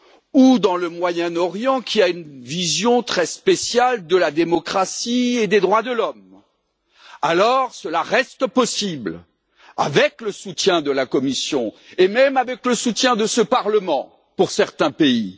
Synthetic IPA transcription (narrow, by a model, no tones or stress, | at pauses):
ud̪ɑ̃ləmwajɛ̃nɔʁjɑ̃kʲʰiaynvizjɔ̃t̪χɛspesjald̪əlad̪emɔkχasied̪ed̪ʁwad̪əlɔm | alɔʁsəlaʁɛst̪əpɔsibl | a̰vɛkləsut̪jɛ̃d̪əlakɔmisjɔ̃ | emɛmavɛkləsut̪jɛ̃d̪əsəpaʁləmɑ̃ | puʁsɛʁt̪ɛ̃pei